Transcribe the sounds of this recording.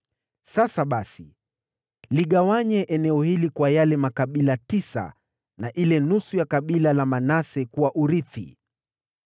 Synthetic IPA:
sasaɓasi | liɠawaɲɛʔɛnɛɔhilikwajalɛmakaɓilatisa̰ | naʔilɛnusujakaɓilalamanasɛkuwaʔuɾiθḭ

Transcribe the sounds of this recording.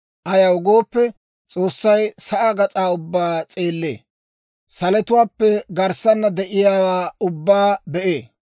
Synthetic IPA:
ʔɐjɐwʊɡoːpːɛ | t͡sʼo̞ːsːɐjsɐʔɐɡɐt͡sʼaːʊbːaːt͡sʼeːlːḛː | sɐlɛt̪ʊwaːpːɛɡɐɾsɐnːɐd̪ɛʔɪjaːwaːʊbːaːbɛʔeː

